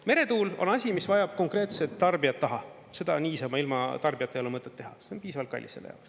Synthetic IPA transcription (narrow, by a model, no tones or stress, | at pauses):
me̞ɾe̞t̪uːlo̞̰nɑsʲimisvɑjɑb̥̚ko̞ŋkre̞ːt̪set̪ːɑrbiɑt̪ːɑɦɑ | se̞d̪̥ɑniːsɑmɑilmɑ̰t̪ɑrbijɑt̪ːˑejolemɤt̪ːˑet̪ːeɦɑ̰seonpiːsɑvɑlt̪kɑ̰lʲːiselːḛjɑ̰oks